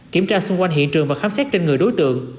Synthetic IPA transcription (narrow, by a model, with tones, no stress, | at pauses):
ki˧˩əmt͡ɕaː˧sʊ˧ŋ͡mkwa˧jŋɦḭ˧˨ənt͡ɕɨ˨˩ŋvaː˨˩xaː˨˦msɛ˦˥t̚t͡ɕe˧nŋɨ˨˩əjɗo˨˦jt̪ɨ̰˧˨əŋ